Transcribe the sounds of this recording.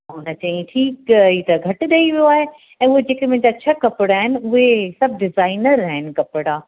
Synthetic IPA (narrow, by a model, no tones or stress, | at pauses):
ɦʊnət͡ɕɐ̃ĩʈʰiːkit̪ɐɡʱɐʈɪ̆ɗɐiʋijoaːɦe | ɛ̃ːʊɦed͡ʑeːkemʊ̃ɦɪ̃ɲd͡ʑat͡ɕʰɐkɐpɪɽaːɦɪnɪ̆ʊɦesɐb̚ʱɖɪzaːɪnəɾaɦɪnɪ̆kɐpɪɽaː